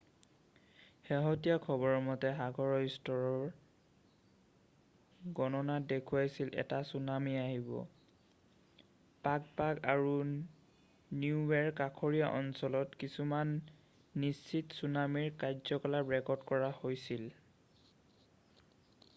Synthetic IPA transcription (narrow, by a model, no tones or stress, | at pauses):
xeɦɔtijakʰɔbɔɹɔmɔtɛɦaɡɔɹɔjstɔɹɔɹ | ɡɔnɔnadekʰuajsilʔɛ̰tasunamiaɦibɔ̰ | pak̚pakaɹu | niuwɛɹkakʰɔɹijaʔɔnsɔlɔtkisumanː | isːitsunamiɹkajzɔkɔlaɹɛkɔɹdkɔɹahojsil